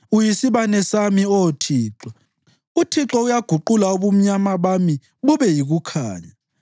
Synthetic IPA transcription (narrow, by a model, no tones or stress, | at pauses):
ujisiβanɛsamiɔtʰiːǁwa | utʰiǁɔujaɡ̥ʱuǃulauβum̩ɲamaβami | βuβɛjiɣukʰaːɲa